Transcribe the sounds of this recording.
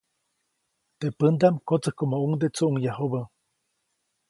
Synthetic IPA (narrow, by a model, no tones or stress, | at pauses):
t̪epənd̪amkot͡səhkomouŋd̪et͡suʔuŋjaɦuβə